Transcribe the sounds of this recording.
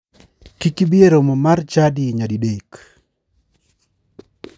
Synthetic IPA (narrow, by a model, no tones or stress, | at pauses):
kikibieɾomɔmart͡ʃadiɲadidek